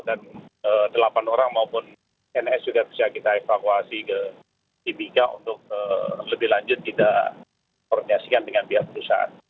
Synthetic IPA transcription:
danədəlapanoɾaŋmaupʊn | ɛnɛsd͡ʒuɡapsiakit̪aefakuasikə̥ | ibikaṵnt̪ʊk̚ələbɪhlaɲd͡ʒʊt̪ːidaʔ | ɔrdinasikandəŋanpiɦak̚pəɾusa̰a̰n

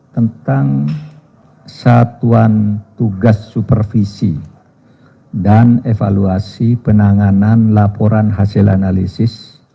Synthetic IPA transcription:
t̪ənt̪aŋ | sat̪uant̪uɡasːupərfisḭ | danefaluasipənaŋananlapɔɾanɦasɪla̰nalisɪs

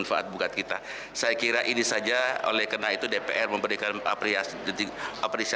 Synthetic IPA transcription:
nfaʔa̰t̪̚bukat̪̚kit̪a | sajakiɾaʔinisad͡ʒao̰lɛhkənait̪udepḛʔɛrməmbəɾikana̰pɾias | diapɾesi

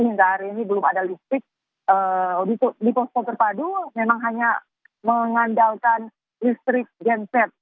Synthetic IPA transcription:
iŋɡaɾiinibəlʊmadalist̪ɾɪk̚ | ədit̪udipɔst̪ɔt̪ərpadumemaŋɦaɲa | məŋandalkan | list̪ɾɪk̚ɡɛnsɛt̪̚

